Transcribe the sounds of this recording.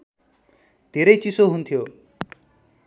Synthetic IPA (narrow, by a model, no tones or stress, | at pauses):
t̪eɾəjt͡ʃisoɦunt̪ʰijo